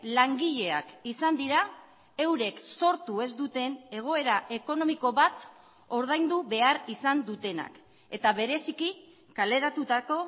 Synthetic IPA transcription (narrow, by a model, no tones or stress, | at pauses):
laŋɡiʎe̞akisand̪iɾa | e̞wɾe̞kso̞ɾt̪ue̞zd̪ut̪e̞ne̞ɣ̞o̞e̞ɾaʔe̞ko̞no̞miko̞βat̪ | o̞ɾð̞ajnd̪uβe̞aɾisand̪ut̪e̞na̰k | e̞t̪aβe̞ɾe̞siki | kale̞ɾat̪ut̪ako̞